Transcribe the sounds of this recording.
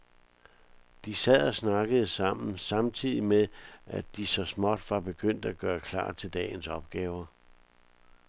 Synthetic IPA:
d̥isɛð̰ˠɒsnɑ̈ɡ̥əð̞̩ˠəsɑ̈m̰n̩sɑ̈mt͡sʰið̰ˠimeʔæd̥isɒ̽smɒd̥ʋɑ̈b̥e̝ɡ̥øn̰d̥æɡ̥ɶːɐkʰlɑ̰̈ːt͡sʰe̝ld̥ɛ̰ːnsɒ̽b̥ɡ̥ɛːʊɐ

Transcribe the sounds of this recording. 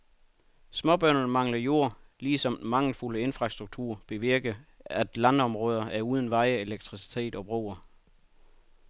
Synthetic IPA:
smɒ̽b̥ɶɐnn̩mɑ̈ŋ̰lɐjo̝ɐ̰liːsɒ̽mmɑ̈ŋl̩fuləe̝nfʁɑ̈sd̥ʁuɡ̥̚t͡sʰuɐ̰b̥e̝ʋiɐɡ̥əæd̥lænɒ̽mʁɔ̽ːð̞ˠɐʔæɐuːð̞ˠn̩ʋɑ̈ɪe̝leɡ̥̚t͡sʰʁisi̥t͡sʰe̝̰ːd̥ɒ̽b̥ʁoːɐ

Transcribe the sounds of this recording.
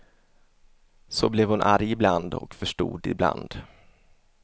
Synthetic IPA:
sɔblɛvhʊnʔaɾjɪbland̪ɔ̰kfœʂʈṵːd̪ɪbla̰nd̪̥

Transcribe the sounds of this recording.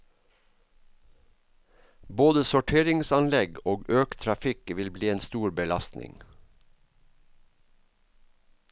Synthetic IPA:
boːd̪əsʊʈʰeːɾɪŋsɑnlɛɡoːɡøːkt̪ʰɾɑfɪkʋɪlbliːeːnst̪uːɾbəlɑst̪nɪ̰ŋ

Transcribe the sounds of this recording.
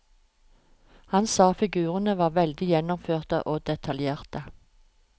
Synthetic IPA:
hɑnsɑːfɪɡʉːʁənəʋɑːʁʋɛld̪ɪjɛnɔmføːʁt̪ə̰ʔoːd̪ɛt̪ʰɑljeːʁt̪ə

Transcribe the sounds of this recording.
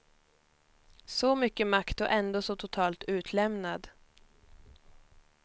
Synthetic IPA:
sɔmʏkːəmakt̪ɔʔɛnd̪oːsɔt̪ʰʊt̪ʰɑːlt̪ʉ̟ːt̪ʰlɛmnad̪

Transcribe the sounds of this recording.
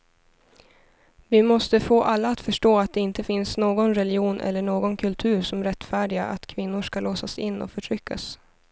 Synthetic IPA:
vɪmɔst̪əfoːʔalːaːt̪fœʂʈoːat̪̚d̪ɛɪnt̪əfɪnsnoːɡɔnɾɛlɪuːnʔɛ̰lːəɳoːɡɔnkʰɵlt̪ʰʉ̟ːɾʂɔmɾɛt̪ːfæːɖɪɡaʔat̪kʰvɪnːʊʂkalʔoːsasɪnːɔ̰fœʈʰɾʏkʰːa̰s

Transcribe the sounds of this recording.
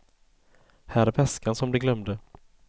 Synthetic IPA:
hæːɾæɾvɛskansɔmd̪ɛɡlœmd̪ə

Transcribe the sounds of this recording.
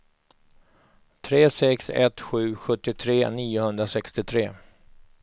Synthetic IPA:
t̪ʰɾeːsɛksɛ̰t̪ɧʉ̟ːɧɵt̪ːɪt̪ʰɾeːniːʊhɵnd̪ɾasɛkst̪ɪt̪ʰɾeː

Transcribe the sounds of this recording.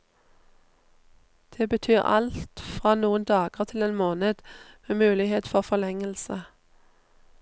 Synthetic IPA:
d̪̥eːbət̪ʰyːʁɑ̰lt̪fʁɑːnuːənd̪ɑːɡəʁt̪ʰɪleːnmoːnəd̪meːmʉːlɪheːt̪fɔʁfɔlɛŋəlsə

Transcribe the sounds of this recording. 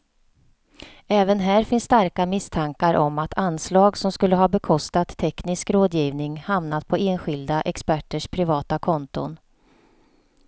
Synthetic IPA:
ɛːvənɦæːɾfɪnsːt̪aɾkamɪst̪ʰaŋkaɾʔɔmat̪ʰanːslɑːɡsɔmskɵlːəɦɑːbɛkʰɔst̪at̪ʰːɛknɪskɾoːd̪jiːvnɪŋhamnat̪̚pʰɔeːnɧɪld̪aʔɛkspæʈːəʂpʰɾɪvɑːt̪akʰɔnt̪ʊ̰n

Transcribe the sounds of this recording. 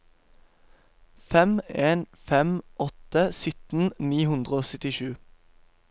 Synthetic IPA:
fɛmeːn | fɛmʔɔt̪əsʏt̪n̩niːhʉnd̪ʁəoːsœt̪ɪʃʉː

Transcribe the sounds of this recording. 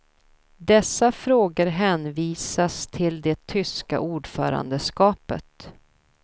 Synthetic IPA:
d̪ɛsːafɾoːɡəɾɦɛːnviːsast̪ʰɪld̪ɛt̪ʰʏska̰ʔuːɖfœ̰ːɾa̰nd̪əskɑːpə̰t̪

